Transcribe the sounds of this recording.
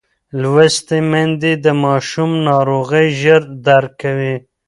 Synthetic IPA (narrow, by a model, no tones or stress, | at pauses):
lwast̪emand̪id̪əmɑʃumnɑɾoɣəjʒəɾd̪aɾkːawi